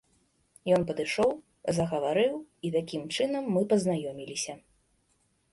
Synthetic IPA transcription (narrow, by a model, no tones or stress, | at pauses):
jɔnpɐd̪ɨʂɔw | zɐɣɐvaɾɨwit̪akʲimt͡ʂɨnɐmːɨpɐznajɔmʲilʲisʲɐ